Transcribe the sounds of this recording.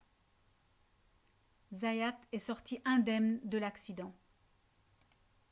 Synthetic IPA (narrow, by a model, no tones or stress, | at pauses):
zajat̪ɛsɔʁt̪iʔɛ̃d̪ɛmnd̪əlaksid̪ɑ̃